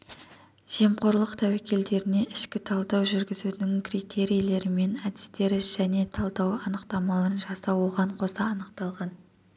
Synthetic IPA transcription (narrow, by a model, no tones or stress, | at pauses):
ʒ̥iemqʰo̞ɾlˠəqt̪ʰæwækʲe̞ld̪e̞ɾɪne̞ʔɪʃkʲɪt̪ʰɑlˠd̪ɑwʒʏɾɡʲɪzud̪ɪŋkrit̪ʰe̞ɾijle̞ɾɪme̞næd̪ɪst̪e̞ɾɪʒæne̞t̪ʰɑlˠd̪ɑwɑnəqt̪ɑmɑlˠɑɾənʒɑsɑwo̞ʁɑɴqʰo̞sɑːnəqt̪ɑlˠʁɑn